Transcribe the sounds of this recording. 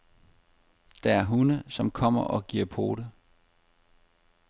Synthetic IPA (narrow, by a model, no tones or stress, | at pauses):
d̥ɑæɐɦunəsɒ̽mkʰɒ̽m̰ɐʔɒ̽ɡ̥iɐ̰pʰo̝ːɾə